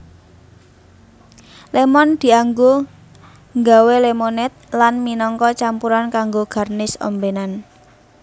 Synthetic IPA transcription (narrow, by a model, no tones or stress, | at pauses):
lemɔnd̪̥i̤aŋɡo | ŋɡawelemonɛt̪̚lanminɔŋkɔt͡ʃampuɾankaŋɡoɡ̥a̤rnɪsɔ̰mbenan